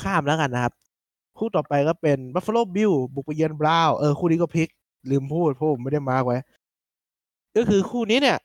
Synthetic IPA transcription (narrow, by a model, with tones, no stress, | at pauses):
kʰaː˥˩mlɛː˦˥ka˧nːa˦˥kʰa˦˥p̚ | kʰuː˥˩t̪ɔː˨˩pa˧jkɔː˥˩pe˧nba˦˥fa˧loː˥˩bi˧˥wbu˨˩k̚pa˧jɯː˧ənbɾaː˧˥wʔɤː˧˩xʰuː˥˩niː˦˥kɔː˥˩pʰi˦˥k̚ | lɯː˧mpʰuː˥˩t̪̚pʰɔː˧˩pʰo˨˩˦ma˥˩da˥˩jmaː˧kwa˧˥j | kɔː˥˩kʰɯː˧kʰuː˥˩niː˦˥ni˥˩ɐʔ